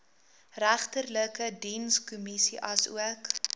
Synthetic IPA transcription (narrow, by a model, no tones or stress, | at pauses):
ræχtərləkədinskumisiʔɐsṵək